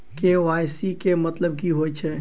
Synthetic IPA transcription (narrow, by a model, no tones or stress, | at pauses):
keʋajsikemət̪ləb̚kiɦojt͡ʃʰɛ